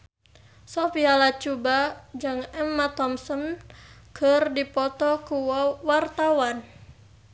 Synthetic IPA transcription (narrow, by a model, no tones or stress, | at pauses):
sɔpialat͡ʃubad͡ʒɨŋɛmːat̪ɔmsɔnkərdipɔt̪ɔkuwart̪awan